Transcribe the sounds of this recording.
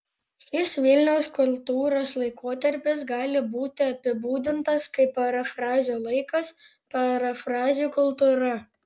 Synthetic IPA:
ʃʲɪsʋʲɪlʲnʲɛʊskʊlʲˠt̪uːɾoːslˠɐɪkoːt̪ɐɾʲpʲɪs̬ɡɑːlʲɪbuːt̪ʲɪɐpʲɪbuːd̪ʲɪnt̪ɐskɐɪpɐɾɐfɾɑːzʲoːlˠɐɪkɐs | pɐɾɐfɾɑːzʲuˑːkʊlˠt̪uːɾɐ

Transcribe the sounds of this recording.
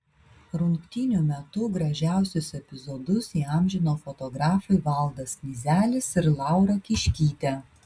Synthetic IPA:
ɾʊŋkt̪ʲinʲʊmʲɛt̪ʊɡɾɐʒʲæˑʊsʲʊsɛpʲɪzɔd̪ʊsiːɑˑmʲʒʲɪnoːfɔt̪ɔɡɾɑːfɐɪʋɐlˠd̪ɐsnʲizʲæːlʲɪsɪɾlˠɑˑʊɾɐkʲɪʃʲkʲiːt̪ʲɛ

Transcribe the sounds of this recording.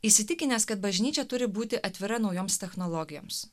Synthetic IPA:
ɪsʲɪt̪ʲɪkʲɪnʲɛːskɐt̪̚bɐʒʲnʲiːt͡ʃʲɛt̪ʊɾʲɪbuːt̪ʲɪʔɐt̪ʲʋʲɪɾɐnɒʊjoːmst̪ʲɛxnɔlˠɔɡʲɪjo̰ːms

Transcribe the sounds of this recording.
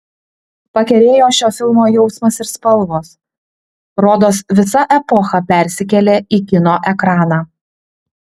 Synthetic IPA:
pɐkʲɛɾʲeːjoːʃʲoːfʲɪlˠmoːjɛʊsmɐsɪɾspɐlˠˑʋoːs | ɾoːd̪oːsʋʲɪsɐʔɛpɔxɐpʲɛˑɾʲsʲɪkʲɛlʲeːiːkʲɪnoːʔɛkɾɑːnɑː

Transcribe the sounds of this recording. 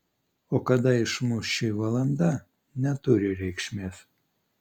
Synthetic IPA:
oːkɐd̪ɐɪʃmʊʃʲɪʋɐlˠɐnd̪ɐ | nʲɛt̪ʊɾʲɪɾʲɛɪkʃʲmʲeːs

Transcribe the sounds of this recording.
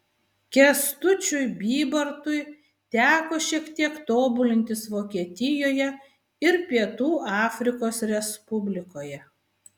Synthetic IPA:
kʲɛst̪ʊt͡ʃʲʊɪbʲiːbɐɾt̪ʊɪ | t̪ʲæːkoːʃʲiɛkt̪ʲiɛkt̪oːbʊlʲɪnʲt̪ʲɪsʋoːkʲiɛt̪ʲɪjoːjɛ | ɪɾpʲiɛt̪uːʔɑːfʲɾʲɪkoːsɾʲɛspʊbʲlʲɪkoːjɛ

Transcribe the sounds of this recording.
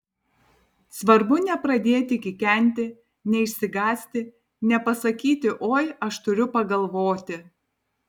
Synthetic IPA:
sʋɐɾbʊnʲɛpɾɐd̪ʲeːt̪ʲɪkʲɪkʲɛˑnʲt̪ʲɪ | nʲɛɪʃʲsʲɪɡɑːsʲt̪ʲɪ | nʲɛpɐsɐkʲiːt̪ʲɪʔoːjɐʃt̪ʊɾʲʊpɐɡɐlˠʋoːt̪ʲɪ

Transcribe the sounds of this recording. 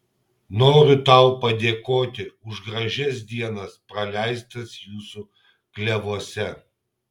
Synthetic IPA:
noːɾʲʊt̪ɐˑʊpɐd̪ʲeːkoːt̪ʲɪʊʒɡɾɐʒʲɛs̬d̪ʲiɛnɐspɾɐlʲæˑɪst̪ɐsjuːsu | klʲɛʋuɔsʲɛ

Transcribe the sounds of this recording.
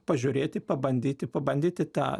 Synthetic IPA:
pɐʒʲʊɾʲeːt̪ʲɪpɐbɐnʲd̪ʲiːt̪ʲɪpɐbɐnʲd̪ʲiːt̪ʲɪt̪ɑ̰ː

